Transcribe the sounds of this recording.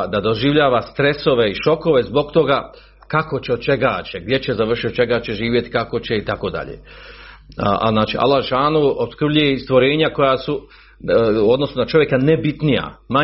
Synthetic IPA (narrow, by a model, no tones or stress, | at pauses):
d̪ad̪oʒiʋʎaːʋast̪ɾe̞so̞ʋe̞iʃo̞ko̞ʋe̞zbo̞ɡt̪o̞ɡa | kako̞t͡ɕeod̪̚t͡ʃe̞ɡat͡ɕeɡ̚d̪jet͡ɕezaʋr̩ʃit̪ot͡ʃe̞ɡat͡ɕeʒiːʋʲje̞t̪i̥kako̞t͡ɕe̞it̪ako̞d̪a̰ʎḛ | a̰znaːt͡ʃiʔa̰lːaʃaːnuobskr̩bʎujeist̪ʋo̞ɾe̞ːɲako̞jasu | od̪no̞sunat͡ʃo̞ʋje̞kanebit̪nija̰ma